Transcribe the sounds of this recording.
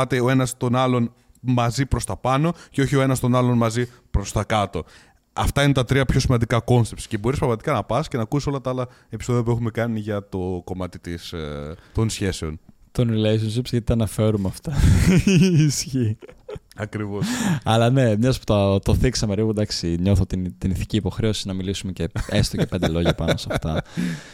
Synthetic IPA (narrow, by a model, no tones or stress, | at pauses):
t̪e̞oe̞nɐst̪o̞nɐlo̞n | mɐzipɾo̞st̪ɐpɐno̞ceo̞çio̞e̞nɐst̪o̞nɐlo̞nmɐzi | pɾo̞st̪ɐkɐt̪o̞ | ɐft̪ɐine̞t̪ɐt̪ɾiɐpço̞simɐnd̪ikɐko̞nsept̪si̥ce̞bo̞ɾispɾɐɣmɐt̪ikɐnɐpɐscenɐkusiso̞lɐt̪ɐɐlɐ | e̞pi̥so̞ðiɐp̬ue̞xume̞kɐniʝɐt̪o̞ko̞mɐt̪it̪ist̪o̞nsçe̞seo̞n | t̪onɾiles̬ons̬ipsʝɐt̪it̪ɐnɐfe̞ɾumeɐft̪ɐ | sçi | ɐkɾivosɐlɐne̞mɲɐspu̥t̪ɐt̪oθiksɐmeɾiɣud̪ɐksiɲo̞θot̪int̪iniθi̥ciːpo̞xɾe̞o̞sinɐmilisumeceest̪occep̪d̪elo̞ʝɐpɐno̞sɐft̪ɐ